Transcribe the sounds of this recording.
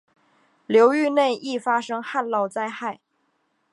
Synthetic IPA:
ljo˧˥ʊy˥˧ne˥˧ɪʔi˥˩fa˥ʂɤ˥ŋxa˥˧nlɑ˥˩ʊt͡sa˥ɪxa˥˩ɪ

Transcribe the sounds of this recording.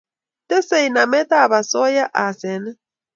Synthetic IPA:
t̪ɛ˦se˨i˨na˨mɛ˦t̪a˦˨βa˨sɔ˦ja˦ʔa˨sɛ˨nɛ˦

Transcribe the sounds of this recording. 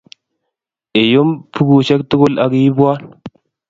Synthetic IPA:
e˨jo˦mpu˦ɡu˨ʃe˦k̚tu˦ɡo˦lʔa˨ɡji˦bwa˦

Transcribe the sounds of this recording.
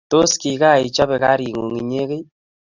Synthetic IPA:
to˦ski˨ka˦˨i˨t͡ʃa˦βe˨ka˦ɾi˨ŋo˨ŋi˨ɲe˦ke˦

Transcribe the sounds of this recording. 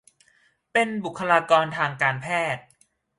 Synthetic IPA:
pe˧nbu˨˩kʰːa˧laː˧kɔː˧nt̪ʰaː˧ŋkaː˧npʰɛː˥˩t̪̚

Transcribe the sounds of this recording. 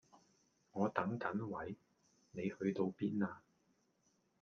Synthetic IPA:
ŋɔː˨˧t̪ɐ˨˥ŋkɐ˨˥nwɐ˨˥j | ne˨˧jhɵ˧ɥt̪o˧wpiː˥naː˧

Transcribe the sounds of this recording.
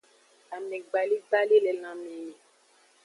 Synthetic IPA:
a˨mɛ̃˨ɡ͡ba˨li˦ta˦le˦lɛ˨lã˨mẽ˨ni˨

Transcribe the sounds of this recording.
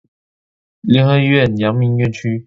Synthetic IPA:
ljɛ˧˥ŋxɤ˧ɥɛ˥˩˨njɑ˧˥ŋmi˧˥nɥɛ˥˨nt͡ɕʰy˥

